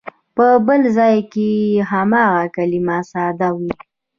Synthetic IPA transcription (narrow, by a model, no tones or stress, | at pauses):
pəbəlzɑjkeɦamɑɣakalimasɑd̪awi